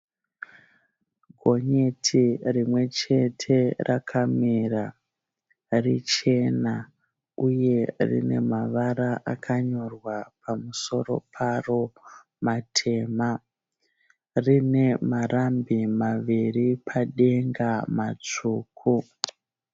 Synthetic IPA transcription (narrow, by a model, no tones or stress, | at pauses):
ɡʱo̞ɲe̞tʰirimwe̞t͡ʃe̞tʰe̞rʔakʰamira | rit͡ʃe̞na | uje̞rḭne̞̰maʋaɾaʔakʰaɲo̞rwapʰamuso̞ɾo̞̰pʰaro̞ | matʰe̞ma | rine̞marambimaʋiripʰaɗe̞ŋɡamat͡ʂuːkʰu